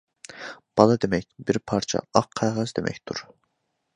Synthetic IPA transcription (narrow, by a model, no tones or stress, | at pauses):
b̥ɑlˠɑd̪emɛc̚ʲbiɾpʰɑɾt͡ʃʰɑ̰ɑqʰːæʁɛzd̪emʔɛ̰cʲt̪ʰuɾ